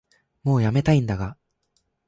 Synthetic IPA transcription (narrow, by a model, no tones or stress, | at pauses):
mo̞ːjame̞t̪aĩnd̪aɡa